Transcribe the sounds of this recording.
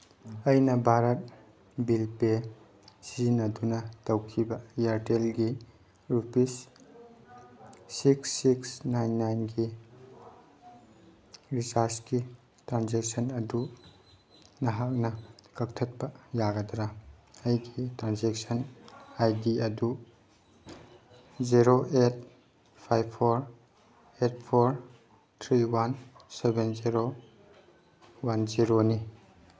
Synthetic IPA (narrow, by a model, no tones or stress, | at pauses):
ɐjnɐbʱaɾɐt̚ | bilpe | sizinɐdunɐtɐwkʰibɐjaɾtelɡi | ɾupis | iksːiksnajnːajnɡi | ɾisaɾski | tɾanzek̚sʰɐnɐdu | nɐɦak̚nɐkɐk̚tʰɐt̚pɐjaɡɐdɾaajɡitɾanzek̚sɐnajdiɐdu | ziɾoʔet̚ | pʰajbʰoɾ | et̚pʰoɾ | tʰɾiwansebenziɾo | wanziɾoni